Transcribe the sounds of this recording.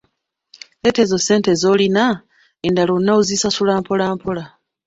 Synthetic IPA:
eteːzo̞se̞ːnte̞zo̞ːlina | endalonːauzisasulaːmpolaːmpʰola

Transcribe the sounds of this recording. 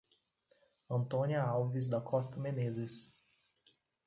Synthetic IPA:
ɐ̃nt̪õniɐawvizd̪ɐkʰɔst̪ɐmenezɪs

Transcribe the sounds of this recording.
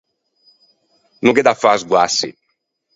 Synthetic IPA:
nuŋkɛd̪afazɡwasːḭ

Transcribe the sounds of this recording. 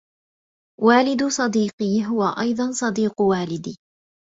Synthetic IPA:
waːlɪd̪sˤɑd̪iːqiːɦʊwaʔɑjd̪ˤɑnsˤɑd̪iːqwaːlɪd̪iː

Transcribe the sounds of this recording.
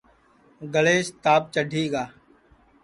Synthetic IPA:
ɡəleːʃt̪aːp̚t͡ʃəɖʱiːɡaː

